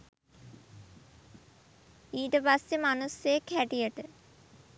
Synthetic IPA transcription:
iːʈəpasːemanusjejkʰːæʈijəʈə

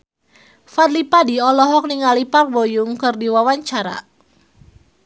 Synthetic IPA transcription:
fat̪lipadiɔlɔɦɔk̚niŋaliparwojʊŋkɨrdiwawaɲt͡ʃaɾa̰

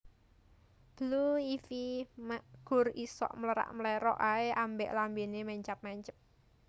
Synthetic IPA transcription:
b̥əluifimɡ̥ʊ̤risɔ̰ʔmələɾa̰ʔməlɛɾɔ̰ʔaeambɛʔlambenemɛɲt͡ʃap̚mɛɲt͡ʃə̥p̚

